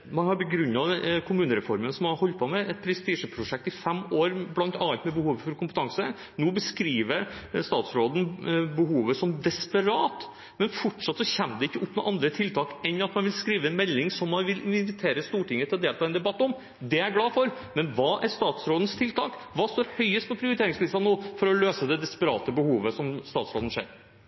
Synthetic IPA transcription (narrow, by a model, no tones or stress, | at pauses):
mɑnhɑɾbəɡɾʉnːɑkʰʊmʉːnəɾɛfɔɾmənsɔmɑɾhɔlt̪̚pʰoːmɛʔɛt̪̚pʰɾɛst̪iːʂəpʰɾʊʂɛk̚t̪ɪfɛmoːɾblɑnt̪ɑɑlt̪mɛbəhuːʋəfɔɾkʊmpət̪ʰɑŋsə | nuːbəskɾiːʋəɾst̪ɑːt̪sɾoːd̪n̩bəhuːʋəsɔmd̪ɛspəɾɑːt̪ | mɛnfɔʈʂɑt̪ːsɔçɛmːd̪ɛɪkːəʔʊpːmɛ̰ʔɑnd̪ɾət̪ʰɪlt̪ʰɑːkɛnːɑt̪mɑnʋɪlskɾiːʋəɛnmɛlːɪŋsɔmːɑnʋɪlɪnɪnʋɪt̪ʰeːɾəst̪uːʈɪŋːət̪ʰɪlɔd̪eːlt̪ɑːɛnd̪ɛbɑt̪ːɔm | d̪ɛæɾɡlɑːfɔɾ | mɛnʋɑːʔæʂt̪ɑːt̪sɾoːd̪n̩st̪ʰɪlt̪ʰɑːkʋɑːst̪oːɾhœʏəst̪̚pɔpʰɾɪʊɾɪt̪ʰeːɾɪŋslɪst̪ɑnoːfɔɾɔløːsəd̪ɛd̪ɛspəɾɑ̰ːt̪əbəhuːʋəsɔmst̪ɑːt̪sɾoːd̪n̩ʂḛːɾ